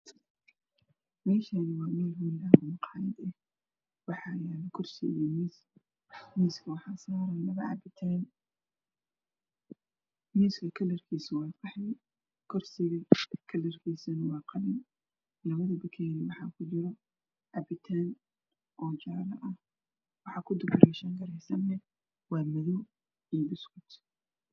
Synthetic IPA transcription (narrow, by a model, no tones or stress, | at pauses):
mɛːʃaːnɪwɑːmɛlɦuːlaːʊmqɑːjɐd̪ɛh | wɑħɑːjaːlɪkʰʊrsɪ̰ɣɛmis | miːskʰɐwɑħɑːsaːɾɐlɐβɐʕɑbɪt̪ʰan | miːskʰɐkʰɐlɐrkʰiːsɐwɑːqɑħɛj | kʰɔrsɪɣɐkʰɐlɐrkʰiːsɐnɐwɑːqɑnɪn | lɐβɐðɐbɐkʰɛjɾɪwɑħɑkʰʊt͡ʃɪɾɔ | ʕɑbɪt̪ʰaːn | ʔɔːt͡ʃaːɾɐʔɐh | wɑħɑːkʰʊd̪ʊbʊɾɛʃɐŋkʰɐɾɛjsɐmɛ | wɑːmɐðɔw | ijbɪskʊt̪